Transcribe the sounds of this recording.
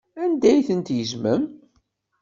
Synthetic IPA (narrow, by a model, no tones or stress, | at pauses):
ænd̪æjθənt̪jəzməm